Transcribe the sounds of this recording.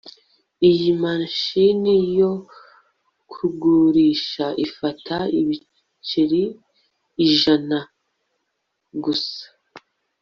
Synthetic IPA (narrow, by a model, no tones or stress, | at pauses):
ijimanʃinijo̞ | kʰuɡuɾiːʃaʔifatʰaiβi | t͡ʃiɾiː | ʒana | ɡusḁ